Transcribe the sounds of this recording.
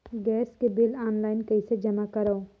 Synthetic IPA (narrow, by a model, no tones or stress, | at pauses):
ɡɛːskebɪlaːnlaːɪnkɐised͡ʒɐmakɐɾao